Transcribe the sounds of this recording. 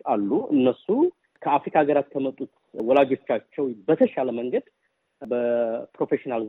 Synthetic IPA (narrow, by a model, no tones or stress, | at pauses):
alːuʔɨnːəsu | kʰəafɾikʰaɡəɾat̪kʰəmət̪ʼːut̪ | wɔlad͡ʒo̞t͡ʃːat͡ʃːɛwbət̪ʰəʃaləməŋɡəd̪ | bəpɾo̞fe̞ʃinal